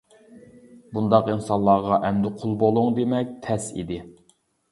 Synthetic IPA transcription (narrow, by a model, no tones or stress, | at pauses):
bund̪ɑqinsɑnlˠːɑːʁɑʔɛmd̪ɪqʰolˠbolˠuŋd̪emɛk̚ʲt̪ʰɛsḭd̪ɪ